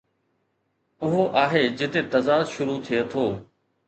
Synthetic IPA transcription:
ʊɦoʔaːɦeːd͡ʑɪt̪et̪ɐzaːd̪ʃʊɾut̪ʰiet̪ʰoː

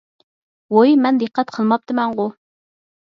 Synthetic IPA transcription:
wojmɛnd̪əqːɛt̪qʰəlˠmɑp̚t̪ʰɨmɛŋʁʊ

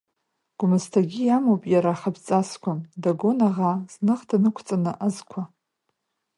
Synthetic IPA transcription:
ɡ̥ʷʊmɨztʰaɡʲijamowpʼjaɾaχabʰt͡sʼaskʷʰamdaɡo̞naʁaz̥nɨχtʰanɨkʷʰt͡sʼanɨʔazkʷʰa

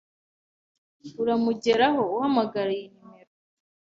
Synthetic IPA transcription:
uɾamuɟe̞ɾaɦo̞uhamaɡaɾajinimeɾo

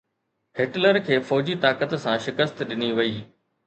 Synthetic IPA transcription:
hɪʈləɾkʰeːfɔːd͡ʑit̪aːkət̪sãʃɪkəst̪ɗɪniʋɐiː

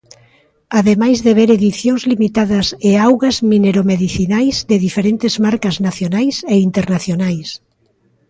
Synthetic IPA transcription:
aðemajzðeβ̞eɾeðiθjoŋzlimit̪aðɐseawɣɐzmineɾomeðiθinajzðeðifeɾent̪ɪzmaɾkɐznaθjonajseint̪eɾnaθjonajs

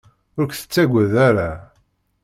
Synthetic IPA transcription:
ʊɾkʷθə̥t͡sːæɡʷəðaɾa

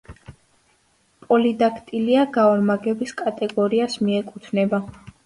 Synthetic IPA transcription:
pʼɔlid̪akʰt̪ʼiliaɡaɔɾmaɡɛbiskʼat̪ʼɛɡɔɾiasmiɛkʼut̪ʰnɛba

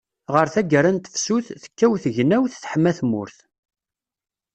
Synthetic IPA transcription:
ʁəɾθæɡəɾænt̪ə̥fsuθθə̥kːæwθəʝnæwθθħəmːæθmʊ̰ɾθ

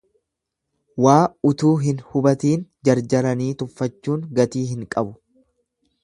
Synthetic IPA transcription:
waːʊt̪uːɦɪnhʊbɐt̪iːnd͡ʒɐɾd͡ʒɐɾɐniːt̪ʊfːɐt͡ʃːuːŋɡɐt̪iːɦɪŋkʼɐbʊ

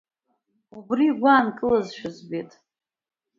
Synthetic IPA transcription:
ubriɡʷaːnkʼɨlazʃᶣʊzbetʼ

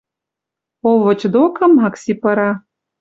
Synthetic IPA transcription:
oʋɤ̆t͡ɕd̪okɤmɦɑksʲipɤ̆ɾɑ

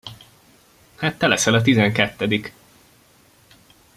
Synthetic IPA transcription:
haːt̪ːɛlɛsɛlɒt̪̬izɛŋkɛt̪ːɛd̪ik

